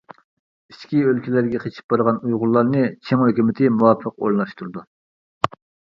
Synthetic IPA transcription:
iʃkʲiølkʲilæɾɡʲɛqʰet͡ʃʰi̥p̚b̥ɑɾəʁɑnujʁʊɾlˠɑɾnɨt͡ʃʰeŋhøkʲymɪt̪ʰɪmuwɑpʰəqo̰ɾlnɑʃt̪ʰuɾɨd̪u

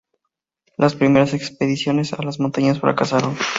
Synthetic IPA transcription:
laspɾime̞ɾase̞kspe̞ðisjo̞ne̞salazmont̪aɲasfɾa̰kasaɾo̞n

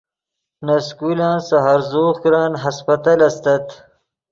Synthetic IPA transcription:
nɐskulãːnsɐɦaɾzoːχkɾɑːnɦɐspɐt̪alɐst̪ɐt̪

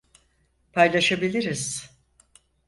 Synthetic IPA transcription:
pʰajlˠaʃabilʲiɾiz̥

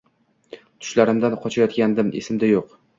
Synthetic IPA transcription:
t̪ʰʊ̥ʃlaɾɪmd̪anqʰɒt͡ʃʰajɒt̪kʲand̪ɪmḛsɪmd̪ajoq

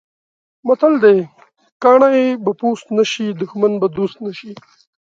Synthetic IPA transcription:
mat̪ald̪ej | kɑːɳajebapust̪naʃid̪ʊxmanbad̪ust̪naʃi

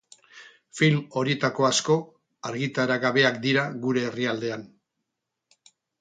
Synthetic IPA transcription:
filmo̞ɾiet̪ako̞asko̞ | aɾɣit̪aɾaɣaβe̞akd̪iɾaɣuɾe̞ːriald̪e̞an

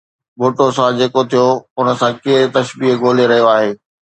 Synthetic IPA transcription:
boːʈosãd͡ʑeːkot̪ʰijoʊnə̆sãkeːɾt̪ɐʃbiːɡʱoːleɾɐɦijoaːɦeː

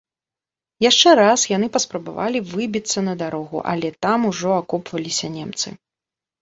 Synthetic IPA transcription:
jaʂt͡ʂɛɾasjanɨpɐspɾɐba̰va̰lʲivɨbʲit̪sːɐnɐd̪aɾɔɣṵʔɐ̰lʲɛt̪amuʐɔakɔpvɐlʲisʲɐnʲemt̪sɨ̰

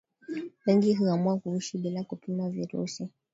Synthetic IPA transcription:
wɛŋɡiɦuamuakuuʃiɓilakupimaviɾṵsi

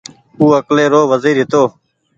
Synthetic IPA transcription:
uːəkleːɾoːʋəziːɾɦɪt̪oː

